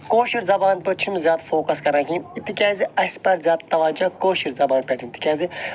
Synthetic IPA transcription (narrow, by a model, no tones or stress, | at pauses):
koːʃiɾzɐbaːnpɨt͡ʃʰimzʲjaːt̪foːkɐskɐɾãːkĩit̪ːikʲaːziɐspɐɾzjaːt̪t̪ɐʋaːd͡ʒaːkoːʃiɾzɐbaːnpʲɛːʈʰĩmt̪ʰːi̥kʲaːzi